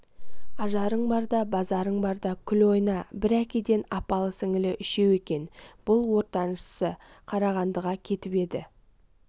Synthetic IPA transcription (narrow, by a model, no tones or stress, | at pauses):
ɑʒɑɾəɴbɑɾd̪ɑbɑzɑɾəɴbɑɾd̪ɑkʲʰʏlo̞jnɑbɪɾækʲed̪e̞nɑpɑlˠəsɪŋɪlɪʔʏʃe̞we̞kʲe̞nb̥ʊlˠwo̞ɾt̪ɑnʃəsə | qʰɑɾɑʁɑnd̪əʁɑkʲʰe̞t̪ɪpe̞d̪ɪ̰